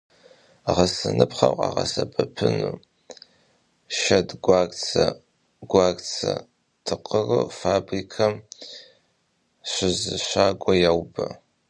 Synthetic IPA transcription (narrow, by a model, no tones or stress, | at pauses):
ʁɐsɨnɨpχɐwqʼa̰ːʁɐ̰sɐbʰɐpʰɨnu | ʃɐdɡʷaɡt͡sʰɐ | ɡʷaːɡt͡sʰɐ̰ | tʰɨqʼərɨfaːbrikʰɐm | ɕʷɪzɨɕʷaːɡʷɔjawbɐ